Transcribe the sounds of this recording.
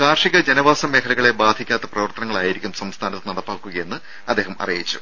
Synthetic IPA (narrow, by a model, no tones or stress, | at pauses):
kaːrʂiɣɐd͡ʑɐnɐʋaːsɐmːeːkʰɐlɐɣɐɭe̞baːd̪ʱikʲːaːt̪ːɐprɐʋɐrt̪ɐnɐŋːɐɭaːjiɾikʲːumsɐmst̪ʰaːnɐt̪ːɨnɐɽɐpːaːkːuɣɐjenːɨ | ɐd̪ːeːɦɐmɐ̰rijjit͡ɕːu̥̰